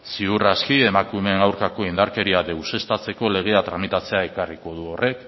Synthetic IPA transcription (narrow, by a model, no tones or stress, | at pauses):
siuraskie̞makume̞ŋawɾkako̞ind̪aɾke̞ɾiaðe̞wse̞st̪at͡se̞ko̞le̞ɣ̞e̞at̪ɾamit̪at͡se̞ae̞kariko̞ð̞uo̞rʔe̞k